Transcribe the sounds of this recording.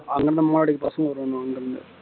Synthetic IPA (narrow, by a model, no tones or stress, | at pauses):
ɐŋɡɐɾɐnɐmmaːlaːɽɪkːpɐsɐŋɡɐʋɐɾɐnõɐŋɡɐɾɐnd̪ɯ̰